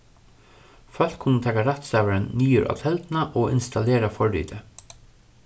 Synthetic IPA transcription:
fœl̥t̪kʰʊnːət̪ʰɛːkaɾɛt̪sæːʋəɾənːyːəɾʔɔ̰t̪ʰɛlt̪nɑʔoːɪ̰nst̪ɑleːɾɑfɔɹːḭːt̪ʰə

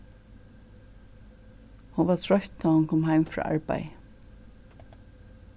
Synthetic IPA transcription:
hʊnʋaɹt̪ʰɹɔht̪naːhʊnkʰɔːmɦaɪmfɹɔ̰ːʔa̰ɹpa̰j

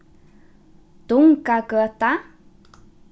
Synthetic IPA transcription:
t̪uŋkakəat̪a

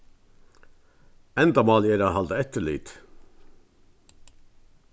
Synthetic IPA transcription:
ɛnd̪ɑmɑːljeːɾɑhɑld̪əɛt̪əɭḭːt̪

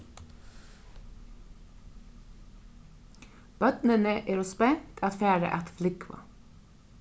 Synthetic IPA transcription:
b̥œt̪nənəʔeːɾʊspɛŋt̪ʰɑt̪fæːɾə̰ʔɑt̪flɪkʰʋɑ̰

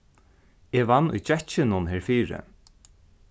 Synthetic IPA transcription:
ɛʋanːʊ̰jt͡ʃɛt͡ʃɪnʊnɦɛɹfiːɹɪ̰

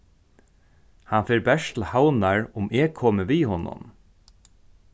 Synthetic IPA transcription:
hanfeːɹbɛʂt̪l̩hawnaɹʊmeːkʰoːməʋiːhɔnʊ̰n

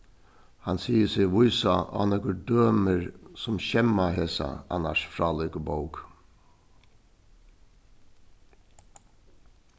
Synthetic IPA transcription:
hansiːəsɪʋʊjsaʔa̰ːnɛkʊɾd̪øːməɹsʊmçɛmaɦeːsa̰a̰na̰ʂfɹaːlɪːkəboʊk

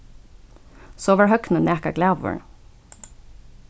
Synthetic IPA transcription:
soːʋəɹɦœknəneːkə̰ɡlæʋə̰ɹ

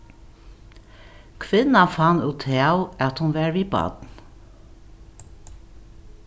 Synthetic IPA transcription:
kʰʋɪnɑfɑnʉːt̪ʰeɑʊɑt̪hʊnʋɑːɹʋiːbɑ̰ːd̪̥n̩

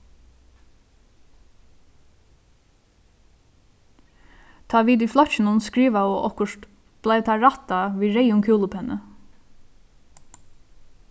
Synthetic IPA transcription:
t̪ʰɑːʋiːd̪iːflɔçənʊnskɹiːʋɑoːʔɔkəʃt | b̥lɑɪt̪ʰɑːɹɑt̪ɑʋiːɹeɪʊŋkʰʉːləpʰɛnʔə

